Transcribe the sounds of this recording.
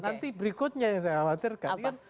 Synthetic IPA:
nant̪ibɾikʊt̪̚ɲajaŋsajalat̪ɪrkankan

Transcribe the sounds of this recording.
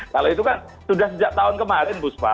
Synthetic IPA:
kaloit̪ukan | sudahsəd͡ʒaʔ̚t̪aʊnkəmaɾɛnbʊspa̰

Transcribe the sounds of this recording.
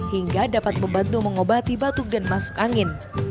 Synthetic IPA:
hiŋɡadapat̪̚məmbant̪uməŋobat̪ibat̪ʊk̚danmasʊ̥kaŋɪn

